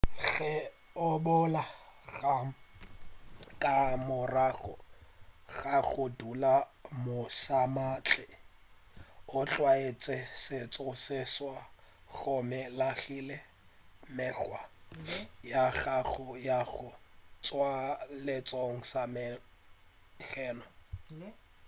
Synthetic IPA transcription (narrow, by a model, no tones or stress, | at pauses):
ɣɛ | ʊbʊlaɣa | kʼamʊraɣɔ̰ | ɣaɣʊdulamʊsamat͡ɬʰʼɪ | ʊt͡ɬʼwaet͡sʼɪsɪt͡sʼʊsɪswaɣʊmɪlaɬiːlɛ | mɛɬwa | jaɣaɣʊjaɣʊt͡sʼwalɪt͡sʼoŋ̩samɪ | ɬɛːnɔ